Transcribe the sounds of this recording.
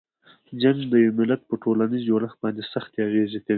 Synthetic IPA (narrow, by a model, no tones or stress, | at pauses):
d͡ʒaŋɡd̪əjawmɪlat̪̚pəʈolanizd͡ʒoɾaxbɑnd̪esaxt̪eaɣezek̪awi